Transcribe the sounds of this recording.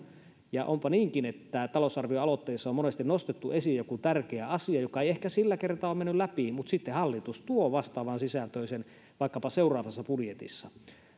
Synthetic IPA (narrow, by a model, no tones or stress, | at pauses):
jɑ̰ʔompɑniːŋkinet̪ːæt̪ɑlosɑrʋioɑlot̪ːeːsːɑomonest̪innost̪et̪ːuesijjokut̪ærkeæɑsiɑjokɑeiehkæsilːækert̪ɑomenːyllæpimut̪sit̪ːehɑlːit̪ust̪uoʋɑst̪ɑːʋɑnsisælt̪øˑisen | ʋɑˑikːɑpɑseurˑɑːʋɑsːɑpudjet̪ḭsːɑ